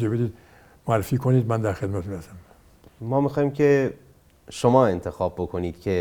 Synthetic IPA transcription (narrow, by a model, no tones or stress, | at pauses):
ebed̪iːd̪ | moæɾːefiːkʰoniːd̪mænd̪æɾxed̪mæt̪ʰmeæsæm | mɒːmixɒːjiːmcʰe̞ | ʃomɒːe̞nt̪ʰe̞xɒːbːokʰo̞niːd̪̥cʰe̞